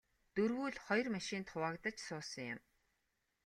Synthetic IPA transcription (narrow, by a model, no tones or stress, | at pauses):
t̪ɵrɣuːɮχɔjɞ̆rmaʃɪnt̪χʊwaːkt̪ə̆t͡ɕsʊːsɞ̆ŋjʊm